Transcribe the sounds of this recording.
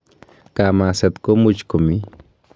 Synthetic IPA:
kamasat̪komʊt͡ʃkʊmɪ

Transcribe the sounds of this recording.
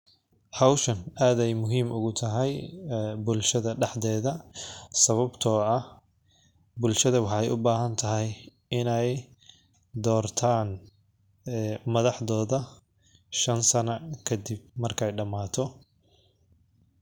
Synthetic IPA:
ħɑwʃɐnaːd̪ɛjmʊɦiːmʔʊɣʊt̪ʰɐɦɛjbʊlʃɐðɐɖɑħðɛːðɐsɐβɐbt̪ʰɔːɐ | bʊlʃɐðɐwɑħɑjʔʊbaːɦɐnt̪ʰɐɦɛj | ɪnɛj | d̪ɔːrt̪ʰaːn | mɐðɑħðɔːðɐ | ʃɐnsɐnɐkʰɐd̪ɪb̚mɐrkʰɛjɖɐmaːt̪ʰɔ

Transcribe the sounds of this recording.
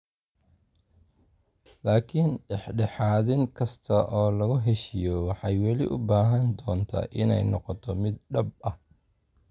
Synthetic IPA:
laːkʰɪnɖɛħɖɛħɑːðɪŋkʰɐst̪ʰɐʔɔːlɐɣʊɦɛʃɪjɔwɑħɑjwɛlɪʔʊbaːɦɐnd̪ɔːnt̪ʰa̰ːʔɪnɛ̰jnɔqɔt̪ʰɔmɪd̪ɖɐb̚ɐh

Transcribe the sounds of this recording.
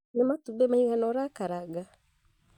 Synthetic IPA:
nematubɛmaiɣanɔɾakaɾaɡa

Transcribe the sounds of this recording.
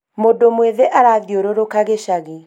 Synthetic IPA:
modomweðeʔaɾaðjoɾoɾokaɣeʃaɣe

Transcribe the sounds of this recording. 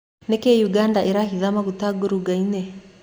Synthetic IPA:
nɛkɛjuɡandaʔiɾaɦiðamakutaɡɔɾuɡainɛ

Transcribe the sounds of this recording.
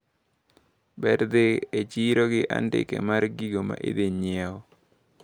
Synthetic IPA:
bɛɾd̪ɪet͡ʃiɾoɡɪʔa̰ndɪ̰kḛmaɾɡiɡoma̰ʔḛd̪eɲjɛɔ

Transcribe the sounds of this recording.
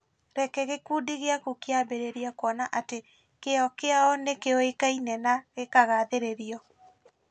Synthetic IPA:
ɾɛkɛɣekuːdiɣeakokeabeɾeɾiakɔnaʔate | keɔkeaɔnekeɔekainɛnaɣekaɣaðeɾeɾiɔ

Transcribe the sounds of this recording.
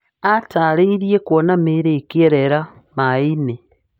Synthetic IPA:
atʰaliɾjekwonamiɾekieɾeɾa | maine

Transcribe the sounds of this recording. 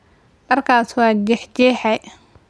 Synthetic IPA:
ʔɐrkʰaːswɑːd͡ʒɛħd͡ʒɛːħɛj

